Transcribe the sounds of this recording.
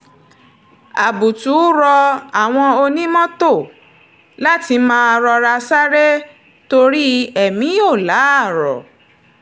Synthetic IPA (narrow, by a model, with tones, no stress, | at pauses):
a˨bu˨tu˨˦ɾɔ˧a˨w̃ɔ̃˧o˧nĩ˦mɔ̃˦to˦˨ | la˦ti˧mãː˦˧ɾɔ˧ɾa˧sa˦ɾe˦ | to˧ɾi˦ɛ˨mĩ˨˦o˦˨la˨˦a˦˨ɾɔ̰˨